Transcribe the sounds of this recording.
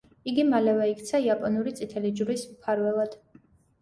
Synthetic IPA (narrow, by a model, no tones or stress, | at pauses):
iɡimalɛvɛik̚ʰt̪sʰaiapʼɔnuɾit̪sʼit̪ʰɛlid͡ʒɾismpʰaɾvɛlˠad̪̥